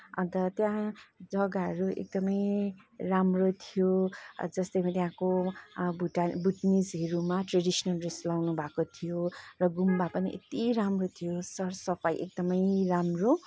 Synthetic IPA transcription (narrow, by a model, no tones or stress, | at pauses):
ʌ̰̃nt̪ʌt̪jãd͡zʌɡaɦʌɾuḛk̚d̪ʌmʌjramrot̪ʰijod͡zʌst̪ʌjmat̪jãko | uʈabʱuʈnid͡zɦeɾumaʈreɖisʌnʌlreslawnubʱakot̪ʰijorʌɡumbapʌniʔḛt̪iɾamrot̪ʰijosʌrsʌpʰajʔḛk̚d̪ʌmʌjramro